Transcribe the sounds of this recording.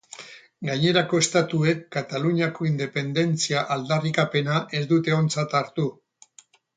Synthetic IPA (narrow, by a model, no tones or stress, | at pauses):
ɡaɲe̞ɾako̞e̞st̪at̪ue̞kːat̪aluɲako̞ind̪e̞pe̞nd̪e̞nt͡siaʔald̪arikape̞naʔe̞zd̪ut̪e̞o̞nt͡sat̪aɾt̪u